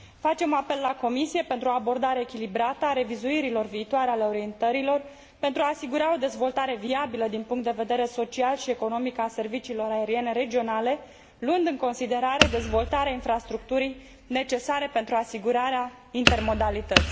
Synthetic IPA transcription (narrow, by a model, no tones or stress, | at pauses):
fat͡ʃe̞mape̞lːako̞misije̞pe̞nt̪ɾuo̞abo̞rd̪aɾe̞ːkʲilibɾat̪əaɾe̞vizuiɾilo̞rviːt̪uaɾeale̞o̞ɾie̞nt̪əɾilo̞r | pent̪ɾuaːsiɡuɾao̞d̪e̞zvo̞lt̪aɾe̞viabiləd̪inpuŋkt̪d̪eve̞d̪e̞ɾe̞so̞t͡ʃialʃie̞ko̞no̞mikəase̞rvit͡ʃiːlo̞ɾae̞ɾie̞ne̞ɾe̞d͡ʒio̞nale̞ | luɨnd̪ɨŋko̞nsid̪e̞ɾaɾe̞d̪e̞zvo̞lt̪aɾeainfɾast̪ɾuk̚t̪uɾij | ne̞t͡ʃe̞saɾe̞pe̞nt̪ɾuasiɡuɾaɾea | int̪e̞rmo̞d̪alit̪ət̪sʲ